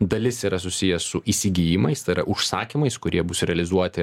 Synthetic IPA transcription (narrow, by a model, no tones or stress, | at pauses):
d̪ɐlʲɪsiːɾɐs̬ʊsʲɪjɛsʊʔiːsʲɪɡʲijɪmɐɪst̪ɐɪɾɐʔʊʃsɑːkʲimɐɪskʊɾʲiɛbʊsɾʲɛɐlʲɪzuɔt̪ʲɪ